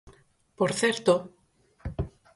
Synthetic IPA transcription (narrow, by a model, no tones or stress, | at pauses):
poɾθɛɾt̪o